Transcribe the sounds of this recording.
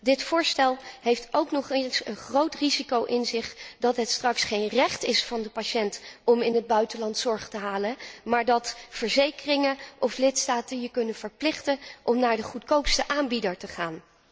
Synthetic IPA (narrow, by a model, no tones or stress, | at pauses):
dɪtfʊːɹstɛlˠɦejftowknɔχensənχrowtrizikowʔɪnzɪχd̥ɑtɦətstrɑksχejnrɛχtɪsfɑndəpaʃɛntɔmɪnɦəd̚bœɥtənlɑntsɔɹχtəɦaːləmaːɹdɑtfəɹzejkərɪŋəʔɔflɪtstaːtənjəkɵnəv̥əɹplɪχtənʔɔmnaːɹdəχutkowpstəʔaːnbidəɹtəχaːn